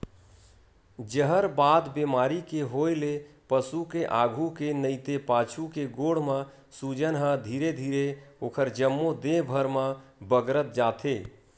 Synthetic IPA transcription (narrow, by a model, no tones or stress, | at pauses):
d͡ʒəɦəɾbad̪bemaɾikeɦojle | pəsukeʔaɡʱukenəɪt̪epat͡ʃʰukeɡoɽ̤mə̃ | sud͡ʒənɦə̃d̪ʱiɾed̪ʱiɾeokʰəɾd͡ʒəmːod̪ẽbʱəɾmə̃bəɡɾət̪̚d͡ʒat̪ʰe